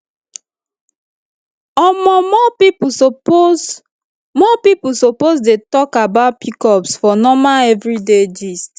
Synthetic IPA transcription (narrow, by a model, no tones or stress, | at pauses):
ɔmɔmɔpip | mɔpipusopozdetɔkabaʊt̚pʰikɔpsfɔnɔmaɛvɹided͡ʒist